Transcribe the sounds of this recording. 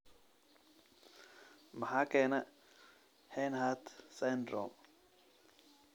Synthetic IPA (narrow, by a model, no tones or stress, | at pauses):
mɐħaːkʰɛːnɐ | hɛnɦat̪sɛnd̪ɾɔ̰m